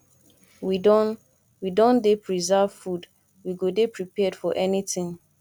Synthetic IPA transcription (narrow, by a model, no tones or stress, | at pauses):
widɔ | widõndepʰɹizav̥fud | wiɡodepʰɹipɛd̥fɔʔɛnitĩŋ